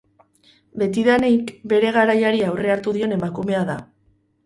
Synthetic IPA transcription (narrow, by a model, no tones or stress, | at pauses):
be̞t̪iðanejkbe̞ɾe̞ɣ̞aɾajaɾiawre̞aɾt̪uðio̞ne̞makume̞aða